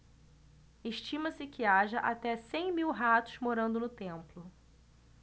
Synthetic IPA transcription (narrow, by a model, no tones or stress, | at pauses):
eʃt͡ʃĩmɐsɪkɪaʒɐʔat̪ɛsẽj̃miwɦat̪ʊ̥zmoɾɐ̃nd̪ʊnʊt̪ẽmplʊ